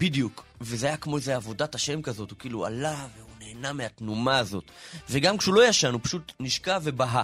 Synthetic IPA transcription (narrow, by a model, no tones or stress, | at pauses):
bid̪ijukvezeajakmo̞ezeavo̞dataʃe̞mkazo̞thukiːlua̰laveuneːnameatnumaːzo̞tveɡamkʃulo̞jaʃanupaʃutniʃkave̞baɦa